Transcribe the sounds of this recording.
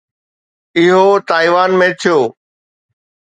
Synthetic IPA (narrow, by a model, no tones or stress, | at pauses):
ɪɦot̪aːiʋaːnmẽt̪ʰijoː